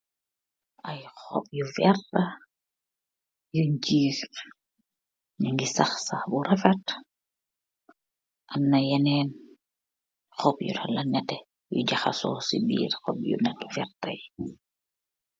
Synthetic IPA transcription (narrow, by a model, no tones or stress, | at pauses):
ʔajxɔ̰p̚jufɛɾta | juɲt͡ʃiːs | niŋɡisaxsabuɾɛfɛt | ʔanːajanɛːn | xɔpjṵtʰalanatɛ | jṵɟaxa̰sɔ̰sibḭːɾxɔ̰p̚jṵnatfɛɾta̰j